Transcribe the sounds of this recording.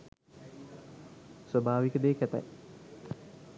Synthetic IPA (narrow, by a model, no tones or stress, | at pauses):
sʋəbʱaːʋikəd̪eːkæt̪a̰j